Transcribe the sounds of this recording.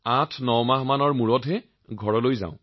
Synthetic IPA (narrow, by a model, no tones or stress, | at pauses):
atʰnɔwmaɦmanɔɹmuɹɔtɦɛ | ɡʱɔɹɔlojza̰ʊ̃